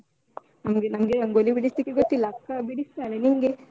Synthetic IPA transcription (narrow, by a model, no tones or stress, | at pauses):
aŋɡenaŋɡeəŋɡoliʋiɽist̪ikiɡot̪ilakːabiɽist̪aleniŋɡe